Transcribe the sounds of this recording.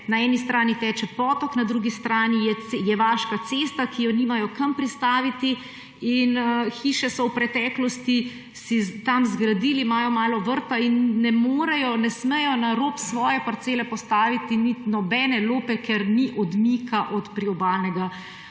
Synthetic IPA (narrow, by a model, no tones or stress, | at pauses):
naɛːnist̪ɾaːnit̪ɛːt͡ʃɛpɔːt̪ɔknad̪ɾuɡist̪ɾaːnijɛjɛʋaːʃkat̪seːst̪akijɔniːmajɔkampɾist̪aːʋit̪i | inxiːʃɛsɔwpɾɛt̪ɛːklɔst̪i | sit̪amzɡɾad̪iːlimaːjɔmaːlɔʋəɾt̪ainːɛmoːɾɛjɔnɛsmɛjɔnaɾoːpsʋɔːjɛpɐɾt̪seːlɛpɔst̪aːʋit̪init̪nɔbɛːnɛloːpɛkɛɾniʔɔd̪miːkʰaʔɔt̪pɾiɔbaːlnɛɡa